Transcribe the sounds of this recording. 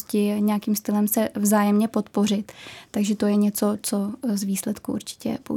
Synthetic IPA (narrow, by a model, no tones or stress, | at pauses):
scɪɲɛjakiːmst̪ɪlɛmsɛvzaːjɛmɲɛpo̞t̪po̞r̝ɪt̪ːaɡʒɛt̪o̞jɛɲɛt͡so̞t͡sozviːslɛt̪kuʔṵɾt͡ʃɪ̥cɛ̰po